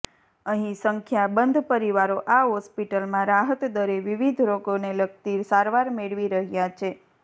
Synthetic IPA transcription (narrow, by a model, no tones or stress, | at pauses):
əɦĩsəŋkʰjabənd̪ʱpəɾiʋaɾoʔaɦɔspiʈəlmãɾaɦət̪d̪əɾeʋiʋid̪ʱɾokoneləɡ̚t̪iɾsaɾʋaɾmeɭʋiɾəɦjat͡ʃʰe